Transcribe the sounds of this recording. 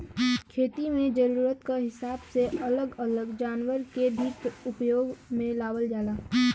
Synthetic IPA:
kʰeːt̪imẽd͡ʒəɾuːɾət̪kaɦɪsaːbseʔələɡələɡd͡ʒaːnwəɾkebʱikʊpjoːɡmẽlaːwəld͡ʒaːlaː

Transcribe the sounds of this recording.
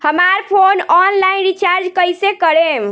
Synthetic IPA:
həmaɾpʰonɔnlajnɾit͡ʃaɾd͡ʒkəjsekəɾem

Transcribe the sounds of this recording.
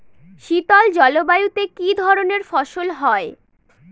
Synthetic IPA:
ʃit̪ɔld͡ʑɔlobajut̪ekid̪ʱɔɾoneɾfɔʃolɦɔe

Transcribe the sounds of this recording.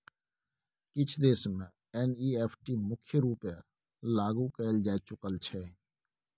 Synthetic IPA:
kɪt͡ʃʰd̪eːsmẽ | eːniːeːpʰʈiːmʊkʰjəɾuːpja | laːɡukɛːld͡ʒaːet͡ʃʊkəlt͡ʃʰɛː

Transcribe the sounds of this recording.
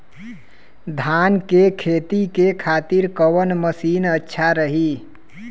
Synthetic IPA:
d̪ʱankekʰet̪ikekʰat̪iɾkəwənməsinətːʃʰaɾəɦi

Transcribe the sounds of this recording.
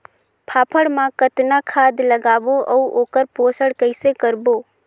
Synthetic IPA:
pʰaːpʰəɽmãkət̪nakʰaːd̪ləɡaːboʔɔuoːkəɾpoːsəɽkəɪsekəɾboː

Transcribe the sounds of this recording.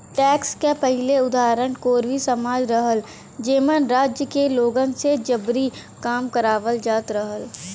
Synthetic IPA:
ʈɛːkskepəɦɪleʊd̪aːɾəñkoːɾʋisəmaːd͡ʒɾəɦəl | d͡ʒeːmənɾaːd͡ʒjəkeloːɡə̃nsed͡ʒəbɾikaːmkəɾaːʋəld͡ʒaːt̪ɾəɦəl

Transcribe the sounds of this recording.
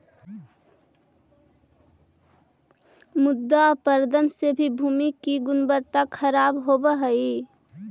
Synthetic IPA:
mʊd̪ːapəɾd̪ənsebʱibʱuːmikiɡʊnbəɾt̪akʰəɾaːbɦobəɦəi

